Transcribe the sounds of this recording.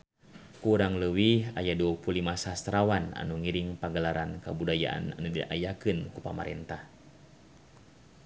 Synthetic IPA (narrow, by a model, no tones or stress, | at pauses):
kuːɾaŋləwiajaduapulimasast̪ɾawana̰nuŋiɾiŋpaŋɡəlaɾankabudaja̰ʔa̰na̰nudiʔa̰jakɨnkupama̰ɾɛ̰nt̪ah